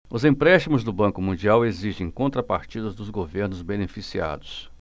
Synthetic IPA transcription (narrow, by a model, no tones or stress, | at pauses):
ʊzẽpɾɛʃt͡ʃimʊzd̪ʊbɐ̃kʊmũnd͡ʒiaweziʃẽj̃kõnt̪ɾɐpaɾt͡ʃid̪ɐzd̪ʊzɡoveɾnʊzbenefisia̰d̪ʊs